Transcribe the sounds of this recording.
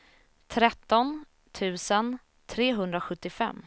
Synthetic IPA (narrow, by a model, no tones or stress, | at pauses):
t̪ʰɾɛt̪ːɔn | t̪ʰʉ̟ːsən | t̪ʰɾeːɦɵnd̪ɾaɧɵt̪ːɪfɛ̰mː